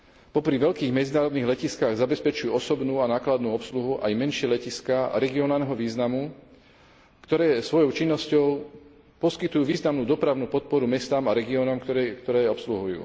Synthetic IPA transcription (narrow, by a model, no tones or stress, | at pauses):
pɔpɾiʋɛʎkiːɣmɛd͡zinaːɾɔd̪niːɣlɛciskaɣzabɛspɛt͡ʃujuːɔsɔbnuːanaːklad̪nuːɔpsluɦuʔa̰jmɛnʃɪɛlɛciskaɾɛɡiɔnaːlnɛɦɔʋiːznamu | kt̪ɔɾɛːsʋɔjɔʊt͡ʃinːɔscɔʊ | pɔskit̪ujuːʋiːznamnuːd̪ɔpɾaʊnuːpɔt̪̚pɔɾumɛst̪aːmaɾɛɡiɔːnɔmkt̪ɔɾɛːɔpsluɦujṵː